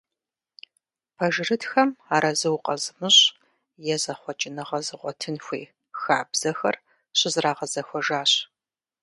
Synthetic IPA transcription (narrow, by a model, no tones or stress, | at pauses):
pʰɐʒɪrɨtxɐmaːɾɐzɨwqɐzɨmɨɕ | jɛzɐχʷɔt͡ʃʼɪnɨʁɐzɨʁʷɔtʰɨnxʷḛː | xaːbz̥ɐxɐr | ɕɪzraːʁɐzɐxʷɔʒaːɕ